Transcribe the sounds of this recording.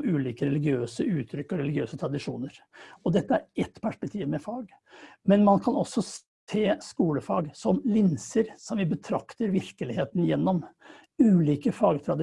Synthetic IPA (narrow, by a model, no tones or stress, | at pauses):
ʉːliːkəɾɛlɪɡɪøːsəʔʉːt̪ʰːɾʏkːɔɾɛlɪɡɪøːsət̪ʰɾɑd̪ɪʂuːnəɾɔd̪ɛt̪ːəæɾɛt̪ːpʰæʂpɛkt̪ʰiːʋmɛfɑːɡ | mɛnmɑnkʰɑnɔsːɔs | t̪ʰeːskuːləfɑ̰ːɡsɔmlɪnsəɾsɔmʋɪbət̪ʰɾɑkt̪əɾʋɪɾkəlɪheːt̪ənjɛnːɔm | ʉːliːkəfɑːɡt̪ʰɾɑd̪